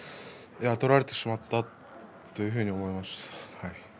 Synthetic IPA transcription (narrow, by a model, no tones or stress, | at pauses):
jat̪o̞ɾaɾe̞t̪e̞ɕimat̪ːat | t̪ːo̞jɯ̟ɦɯ̟ɲ̟io̞mo̞jmashaj